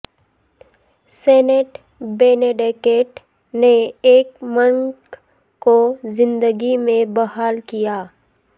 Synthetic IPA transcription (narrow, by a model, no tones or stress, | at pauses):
sɛːneːʈ | beːneːɖeːkeːʈ | neeːkməŋk | kozɪ̃nd̪əɡimẽbɐɦaːlkijaː